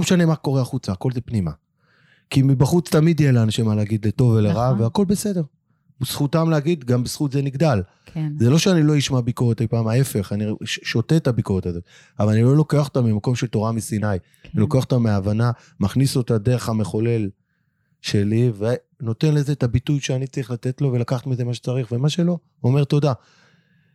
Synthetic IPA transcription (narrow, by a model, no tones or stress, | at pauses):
meʃane̞mako̞ʁeaχut͡saːko̞lzepnima | kimibaχut͡st̪amid̪jelaːnaʃemaleaɡid̪leto̞veleʁaveako̞lbe̞se̞de̞ʁ | bisχutamleaɡid̪ɡambesχut̪zeniɡd̪al | zeloʃeanilo̞jiʃmabikoʁet̪ejpaːmae̞fe̞χaniʃo̞tetabikoʁet̪azo̞t̪ | avalanilo̞lo̞keaχot̪amimako̞mʃe̞lt̪o̞ʁamisinaj | nilo̞keaχotameaːvana | maχniso̞tad̪e̞ʁeχame̞χo̞le̞l | ʃe̞live | no̞t̪e̞nle̞zetabitujʃeanit͡saʁiχlat̪e̞tlo̞ve̞lakaχat̪mizemaʃet͡saʁiχve̞maʃe̞lo̞ | ome̞ʁt̪o̞da